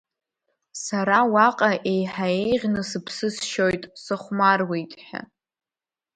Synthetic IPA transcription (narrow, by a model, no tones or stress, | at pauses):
saɾawaqʼaʔe̞jħaejʁʲnɨsɨpʰsɨsʃojtʼsɨχʷmarwejtʼħᶣa̰